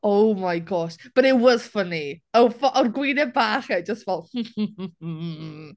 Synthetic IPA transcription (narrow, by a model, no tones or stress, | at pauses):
owmajɡɔʃb̥ənɪwɔz̥fəniofʔɔnɡwiːnɛbaːχɛd͡ʒəstvɛlˠh̩